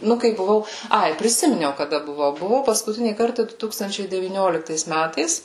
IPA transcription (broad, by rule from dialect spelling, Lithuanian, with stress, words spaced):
ˈnʊ kɐɪ bʊˈʋɐʊ ˈɐɪ pʲrʲɪˈsʲɪmʲɪnʲɛʊ kɐˈdɐ bʊˈʋɐʊ bʊˈʋɐʊ pɐskʊˈtʲɪnʲiː ˈkɐrtɑː ˈdʊ ˈtuːkstɐnʲt͡ʃʲɛɪ dʲɛʋʲiːˈnʲoːlʲɪktɐɪs ˈmʲætɐɪs